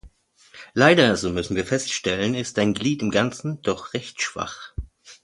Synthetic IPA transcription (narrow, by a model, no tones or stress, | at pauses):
laɪdɐzoːmʏsn̩viːɐfɛstʃtɛlənɪst̚d̥aɪnɡliːtɪmɡant͡sn̩d̥ɔχʁɛçtʃv̥a̰χ